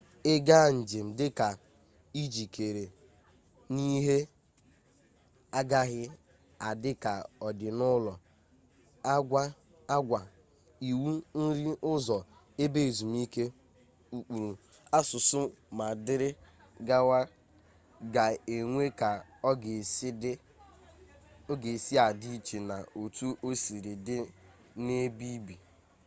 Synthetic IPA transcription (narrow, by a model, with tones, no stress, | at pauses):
ɪ˦ɡa˦˨n̩˨d͡ʒɪ˨m̩˨dɪ˦ka˨ | i˦d͡ʒi˨kʰe˨ɾe˨ | ni˦ɦe˦ | a˦ɡa˦ɦɪ˦ | a˨dɪ˦ka˨ɔ˨dɪ˨nʊ˦lɔ˨ | a˦ɡʷa˦ | a˦ɡʷa˨ | i˨wu˦n̩˦ɾi˦ʊ˦zɔ˨ | e˦be˦e˨zu˨m˦i˦ke˦ | u˨k͡pu˨ɾu˨ | a˦sʊ˨sʊ˦ | ma˨dɪ˦ɾɪ˦ | ɡa˦wa˦ | ɡa˨e˨ŋʷe˦ka˨˦˨ | ɡe˨si˦a˨di˦˨t͡ʃi˨na˨o˨tu˦ʔo˦si˨ɾi˨dɪ˦ | ne˦bi˦bi˨